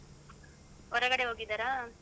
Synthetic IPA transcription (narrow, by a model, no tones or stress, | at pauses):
ɦɔɾɐɡɐɽeɦoːɡid̪aɾaː